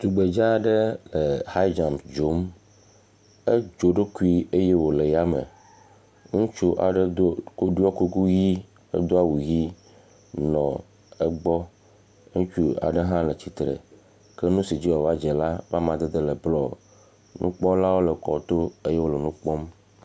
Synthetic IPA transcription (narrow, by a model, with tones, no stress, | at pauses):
t̪u˨ɡ͡be˨d͡ʒa˦ɖe˦lə˨ha˦d͡ʒa˨msd͡ʒo˨˦m | ə˦d͡ʒo˨ɖo˦ku˦i˦e˦je˦wo˨le˨ja˦mə̰˨ | ŋũ˦t͡ʃu˦ʔa̰˨ɖe˦d̪o˦ko˦ɖu˦ɔ˦ku˦ku˦ji˦ | ḛ˦d̪o˦a˦˨wu˨ji˦ | nɔ̰̃˨ | ə˦ɡ͡bɔ˦ | ŋũ˦t͡ʃu˦a̰˨ɖə˦ɦã˦lə˨t͡ɕi˨t̪ɾə̰˨ | kə˦nũ˦si˨d͡ʑi˦wɔ˨va˦d͡ʒe˨la˦va˦mã˨d̪e˦d̪e˦lə˨blɔ˦˨ | nṵ̃˦k͡pɔ˦la˦wo˦lə˨kɔ̰˨t̪o˦e˦je˦wo˦lə˨nũ˦k͡pɔ˦m